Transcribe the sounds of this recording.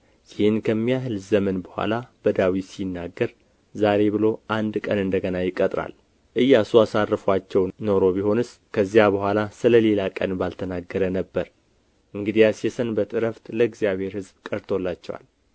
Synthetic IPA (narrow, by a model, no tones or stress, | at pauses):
jɪhɨnkʰəmːijaɦɨlzəmənbəhʷwʷa̰lab̥əd̪awisinːaɡːəɾ | zaɾe̞bɨlo̞ʔand̪kʼənɨnd̪əɡənajɪkʼːət̪ʼɾa̰l | ʔɨjːasuasarːɨfat͡ʃːɛwno̞ɾo̞biho̞nɨs | kʰəzːijabəhʷalasɨləle̞lakʼə̰nbalt̪ʰənaɡːəɾənəbːəɾ | ʔɨŋɡɨd̪ijasɛsənbət̪ʼɨɾəft̪ləɨɡzijaβhe̞ɾhɨzbkʼəɾt̪ʰo̞lːat͡ʃːɛwa̰l